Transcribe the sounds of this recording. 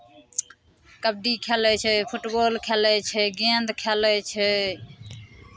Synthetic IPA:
kəb̚ɖiːkʰelɛt͡ʃʰɛpʰʊʈboːlkʰeːlɛt͡ʃʰɛɡẽːnd̪kʰeːlɛt͡ʃʰɛ

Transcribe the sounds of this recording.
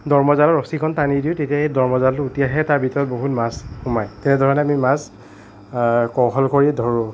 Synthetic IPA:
dɔɹmɔzalɔɹɔsikʰɔntanidiʊtetiaedɔɹmɔzaltʊutijaɦɛtaɹbʱitɔɹɔt̚boɦutmasxumajtɛnɛdʱɔɹɔnɛamimas | kɔɦɔlkoɹidʱɔɹʊ

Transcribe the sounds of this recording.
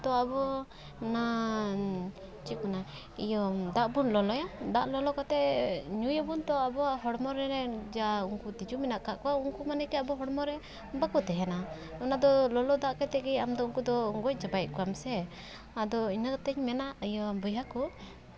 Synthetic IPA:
t̪ɔabɔ | na | t͡ʃikuna | ḭjɔd̪aʔbunlɔlɔjad̪aʔlɔlɔkɔt̪ɛɲujɔbunt̪ɔabɔɦɔɽmɔɾɛɾɛd͡ʒauŋkut̪id͡ʒumɛnaʔkaʔkɔwauŋkumanɛkɛabɔɦɔɽmɔɾɛ | bakɔt̪ɛɦɛna | ɔnad̪ɔlɔlɔd̪aʔkɛt̪ɛɡɛjamd̪ɔuŋkud̪ɔɡɔc̚ˀd͡ʒabajʔ̪̚kɔamsɛ | ad̪ɔinat̪ɛɲmɛnaʔəjɔbɔjakɔ

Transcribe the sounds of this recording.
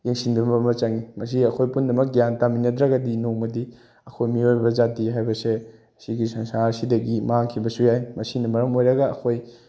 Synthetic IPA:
jeŋsindɐmbɐmɐt͡ʃaŋimɐs̬iɐkʰojpundɐmɐk̚ɡjantaminːɐtɾɐɡɐdinoŋɐdi | ɐkʰojmiojbɐzatiɦajbɐse | siɡisɐnsaɾsidɐɡimaŋkʰibɐsujajmɐsinɐmɐɾɐmojɾɐɡɐɐkʰoj

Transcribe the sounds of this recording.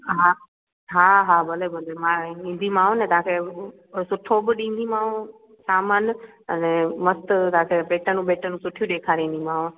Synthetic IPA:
ɦa | ɦaːɦaːbɐlebɐlemãĩːn̆d̪ʱimãːɦnẽt̪ɐãkʰe | sʊʈʰobɪɗĩːn̆d̪imãːũ | saːmənɪ̆ | ɐnẽmɐst̪ʊt̪ɐãːkʰepeːʈənũɓeːʈənũsʊʈʰijũɗeːkʰaːɾĩːn̆d̪imãːɦũ

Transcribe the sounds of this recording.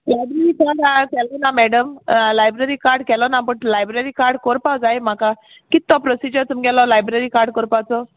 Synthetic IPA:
lajbɾeɾikaɖakɛlɔnamɛɽəmlajbɾəɾikaɾɖkɛlɔnapəɳlajbɾeɾikaɾɖkoɾpawd͡zajm̤aka | kit̪ːɔpɾɔsid͡ʑəɾt̪umɡɛlɔlajbɾeɾikaɾɖ̚kɔɾpawt͡sɔ

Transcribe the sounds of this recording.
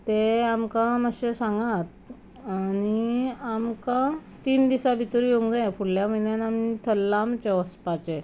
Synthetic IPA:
t̪eamkãməɕesãŋɡat̪ | añiamkã | t̪iːnd̪isabʱit̪uɾjoŋɡẽfʰuɽljaməinjanamit̪ʰəlːamt͡ɕeəspat͡ɕe

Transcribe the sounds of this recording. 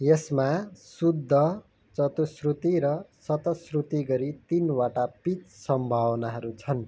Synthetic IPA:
jesmasud̪ʱːʌ | t͡sʌt̪usrut̪iɾʌsʌt̪ʌsrut̪iɡʌɾit̪inwaʈapit̪sʌmbʱawʌnaɦʌɾut͡sʰʌn

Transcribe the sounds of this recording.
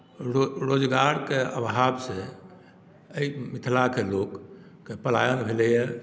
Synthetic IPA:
ɾod͡ʒɡaɾkeəbɦabse | əimit̪ʰlakelokː | epəla̰jənbʱelɛjɛ

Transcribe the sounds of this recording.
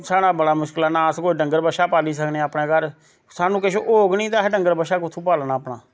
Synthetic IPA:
saːɽ̃aːbəɽaːmʊʃkəlaːnaːskoːiɖəŋɡəɾbəʃaːpaːliːsəkneːəpnɛ̃ːɡəɾ | saːnũːkeʃoʔoːɡniːt̪aːɦɖəŋɡəɾbəʃaːkʊt̪ʰũːpaːlnaːpnaː

